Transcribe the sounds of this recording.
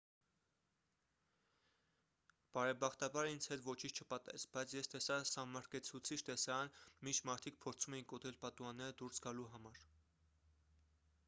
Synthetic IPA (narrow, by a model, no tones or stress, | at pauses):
b̥ɑɾɛbɑχt̪ɑbɑɾind͡zʰhɛt̪vɔt͡ʃʰint͡ʃʰt͡ʃʰəpɑt̪ɛ̰t͡sbɑjt͡sʰjɛst̪ɛsɑsɑmmɑɾkɛt͡sʰut͡sʰit͡ʃʰt̪ɛsɑɾɑnmint͡ʃʰmɑɾt̪ʰik̚pʰɔɾt͡sʰumɛjiŋkɔt̪ʰɛlpɑt̪uɑnːɛɾəd̪uɾsɡɑluɦɑmɑɾ